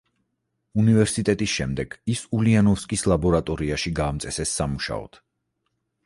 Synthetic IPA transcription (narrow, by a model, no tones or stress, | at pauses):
univɛɾsit̪ʼɛt̪ʼisʃɛmd̪ɛɡ̥isulianɔfskʼislˠabɔɾat̪ʼɔɾiaʃiɡaːmt̪sʼɛsɛsːamuʃa̰ɔ̰t̪ʰ